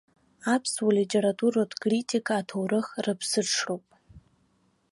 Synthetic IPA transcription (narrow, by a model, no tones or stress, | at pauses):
apʰswalitʲʰʼe̞ɾatʼuɾodkʼritʰʼikʰaːtʰowrɨχrɨpʰsɨʈ͡ʂʰrowpʼ